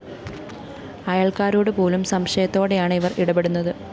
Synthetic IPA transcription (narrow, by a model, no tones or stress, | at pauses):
ɐjaɭkaːɾoːɽɨpo̞ːlumsɐmʂɐjɐt̪ːo̞ːɽe̞jaːɳɨiʋɐrʔiɽɐbe̞ɽunːɐðɨ